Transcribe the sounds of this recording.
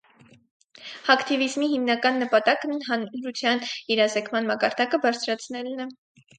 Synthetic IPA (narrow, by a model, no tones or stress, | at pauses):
ɑkt̪ivizmiɦimnɑkɑnːəpɑt̪ɑknɛɦɑnɾut͡sʰjɑniɾɑzɛkʰmɑnmɑkɑɾd̪ɑkəbɑɾt͡sʰɾɑt͡sʰnɛlnɛ